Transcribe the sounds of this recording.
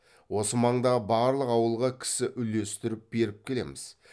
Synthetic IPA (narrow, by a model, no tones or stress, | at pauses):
wo̞səmɑɴd̪ɑbɑɾlˠəqɑwəlˠʁɑkʲʰɪ̥sɪʔʏle̞st̪ɪɾɪp̚b̥e̞ɾɪp̚kʲʰe̞le̞̰mɪz̥